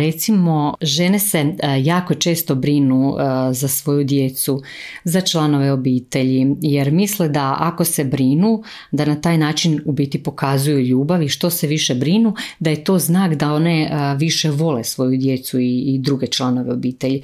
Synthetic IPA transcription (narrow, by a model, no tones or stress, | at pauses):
ɾet̪simo̞ʒene̞se̞jaːko̞t͡ʃe̞ːst̪o̞bɾinuzasʋo̞jud̪je̞t̪su | zat͡ʃlˠano̞ʋe̞o̞biːt̪e̞ʎijeɾmisled̪aako̞se̞bɾinu | d̪anat̪aːjnaːt͡ʃinubiːt̪ipo̞kazujuʎuːbaʋiʃt̪o̞seʋiʃebɾinud̪aje̞t̪o̞ːznaːkd̪ao̞ne̞ʋiʃe̞ʋo̞lesʋo̞jud̪je̞t̪suiːd̪ɾuɡe̞t͡ʃlˠano̞ʋeo̞biːt̪eʎi